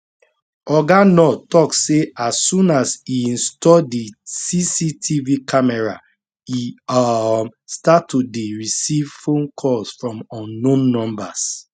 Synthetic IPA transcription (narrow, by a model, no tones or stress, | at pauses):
ɔɡanɔtɔksːeʔasːũnasiĩnstɔdisisitʰivikʰamɛɹa̰ | iamstatːudeɹisivfõnkʰɔsfɹɔ̃mɔ̃nːõnnɔ̃mbas